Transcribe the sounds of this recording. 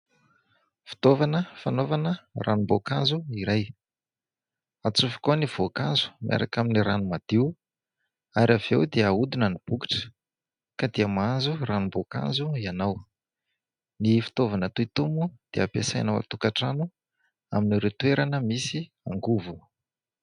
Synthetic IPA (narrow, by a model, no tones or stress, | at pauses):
fi̥t̪ovanəfanovanərʔanumbokazuiɾaj | at͡sufi̥koniv̥okanzu̥miʔa̰ɾakaminiɾanumad̪iu | aɾavewd̪eaud̪inənib̥uki̥ʈ͡ʂə̥ | kad̪eəmanzuranumboka̰zuianaw | nifi̥t̪ovanət̪uit̪umud̪̥eapesajnawa̰t̪ukaʈ͡ʂanu | a̰miniɾewt̪weɾanəmisi | aŋɡuvu